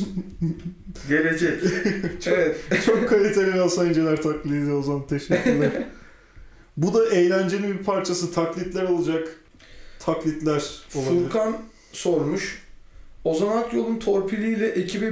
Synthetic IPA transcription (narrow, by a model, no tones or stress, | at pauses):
ɟe̞lʲe̞d͡ʒɛct͡ʃʰevɛt̪t͡ʃʰo̞kʰːalʲit̪ʰelʲialˠsaind͡ʒelʲæɾt̪ʰaklʲid̪id̪ozant̪ʰeʃɛyɾlʲæɾ | bud̪aejlʲænd͡ʒeninbiɾpʰaɾt͡ʃʰasɯt̪ʰaklʲit̪lʲæɾo̞lˠad͡ʒak | t̪ʰaklʲit̪lʲæɾ̥olˠauiɾkʰan | so̞ɾmuʃ | o̞zanak̪jo̞lˠunt̪ʰo̞ɾpʰilʲiːlʲɛʔecʰibi